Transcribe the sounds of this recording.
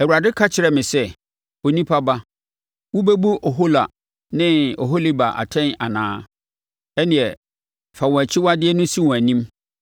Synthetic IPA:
ɛ˨wu˨ɾa˨dɪ˦kʰa˦t͡ɕʰɪ˨ɾɛ˨mɪ̃˨sɛ˦ | o˨nĩ˦pʰa˦ba˦ | wʊ˦be˦bu˦ʔɔ˨ɦo˦la˨ | nɪ̃˦ɔ˨ɦo˦li˦ba˨ʔa̰˨tʰɛ̃˦na̰˨nãː˦ | ɛ˦nɪ̃˨ɛ˨ | fa˨wɔ̃˨æ˨t͡ɕʰɪ˦wa˦dɪ˦ɛ˦nʊ̃˦si˦wɔ̃˨æ˨nĩ˦m

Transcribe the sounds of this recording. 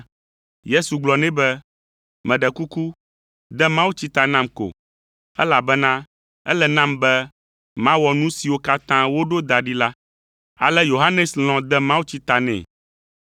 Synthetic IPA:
je˦su˨ɡ͡blɔ˨nɛ̃˦bɛ˦ | mɛ̃˨ɖɛ˨ku˦ku˦ | d̪ɛ˦mã˦wu˦t͡ɕi˦t̪a˨nã˦mko̰˨ | ɛ̰˦la˨bɛ˦nã˦ | ɛ̰˦lɛ˦nã˦mbɛ˦ | mã˦wɔ˨nũ˦si˨wo˦ka˦t̪ã˦wo˦ɖo˦d̪a˨ɖi˦la˦ | a̰˨lɛ˦jo˨ɦa˦nɛ˨sl̃ɔ̃˨d̪ɛ˦mã˦wu˦t͡ɕi˦t̪a˨nɛ̰̃˨

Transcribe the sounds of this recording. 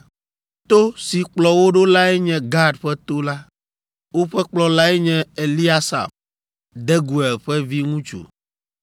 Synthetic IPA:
t̪o˦si˨k͡plɔ˨wo˦ɖo˦la˦ɛ˦ɲɛ̃˨ɡa˦ɖɸɛ˦t̪o˦la˦ | wo˦ɸɛ˦k͡plɔ˨la˦ɛ˦ɲɛ̃˦e˨li˦a˦sa̰˨m | d̪ɛ˦ɡu˨ɛ˨lɸɛ˦vi˦ŋũ˦t͡ʃṵ˨

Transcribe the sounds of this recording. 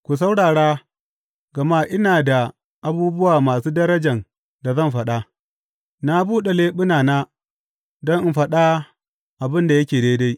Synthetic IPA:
kʷu˨s̬a˦wɽaː˨ɽaː˦ | ɡɐ˨ma˦ʔɪ˦naː˨da˨ | ʔa˦buː˦bʊ˦waː˨maː˨suː˦dɐ˦ɾɐ˦d͡ʒɐ˨n | da˨zɐ˦˨mɸɐ˨ɗa˦ | na˦buː˦ɗe˨leː˦ɓʊ˦naː˨naː˦ | dɔ˦ŋʔɪ˦˨mɸɐ˦ɗa˦ | ʔa˨bɪ˦nda˨jɐ˦kʲeː˨deː˦da˦j

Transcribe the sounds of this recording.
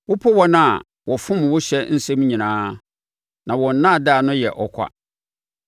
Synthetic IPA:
wʊ˦pʰɔ˦wɔ˦nã˦˨a˨ | wɔ˨fʊ̃˦m˨wʊ˦ɕᶣɛ˦n̩˦sɛ̃˦m˦ɲĩ˨nãː˦ | nã˨wɔ̃˨n̩˦nã˦˨da˦˨nʊ̃˦jɛ˨ʔɔ˨kʷʰa̰˦

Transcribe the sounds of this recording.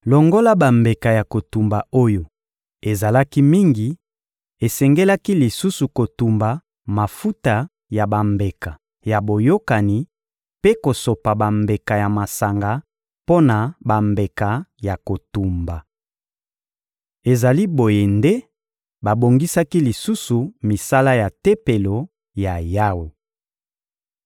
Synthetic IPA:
lo˨ŋɡo˦la˦ba˨mbe˨ka˨ja˨ko˨tu˨mba˨o˦jo˨ | e˨za˨la˦ki˦mi˦ŋɡi˨ | e˨sɛ˨ŋɡe˦la˦ki˦li˨su˦su˨ko˨tu˨mba˨ | ma˨fu˦ta˨ | ja˨ba˨mbe˨ka˨ | ja˨bo˨jo˦ka˨ni˨ | pe˦ko˨so˨pa˨ba˨mbe˨ka˨ja˨ma˨sa˨ŋɡa˨ | po˦na˨ba˨mbe˨ka˨ja˨ko˨tu˨mba˨ | e˨za˨li˦bo˨je˨nde˦ | ba˨bo˨ŋɡi˦sa˦ki˦li˨su˦su˨mi˨sa˦la˦ja˨te˦pe˨lo˨ | ja˨ja˦wo˨

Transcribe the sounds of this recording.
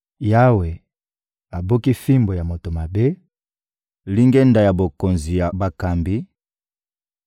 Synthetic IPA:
ja˦we˨ | a˨bo˦ki˦fi˦mbo˨ja˨mo˨to˨ma˨be˦ | li˦ŋɡɛ˦nda˨ja˨bo˨ko˨nzi˨ja˨ba˨ka˨mbi˦

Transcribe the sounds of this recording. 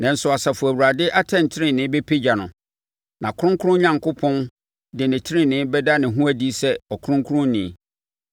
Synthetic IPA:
nã˨n̩˨sʊ˨a˨sa˨fʊ˨æ˨wu˨ɾa˨dɪ˦ʔa˦tʰɛ̃˦˨n˨tʰɪ˦ɾɪ̃˦nɪ̃˨˦be˦pʰe˦d͡ʑa˨nʊ̰̃˨ | nʔã˨kʰʊ˦ɾʊ̃˦ŋkʰʊ˦ɾʊ̃˦ɲã˨ŋkʊ˦pʰɔ̃˦n | dɪ˨nɪ̃˨tʰɪ˦ɾɪ̃˦nɪ̃˦bɛ˦da˦nɪ̃˨ɦũ˦æ˦di˦sɛ˦ɔ˨kʰʊ˦ʊ̃˦ŋ˦kʰu˦ɾʊ̃˦nɪ̰̃˨

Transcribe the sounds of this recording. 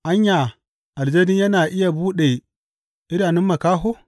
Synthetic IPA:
ʔa˦ɲja˨ | ʔa˨ld͡ʒe˦di˦ja˦na˨ʔi˦ja˨buː˦ɗe˨ | i˦ɾa˨ni˦mːa˨ka˦ɦo˦

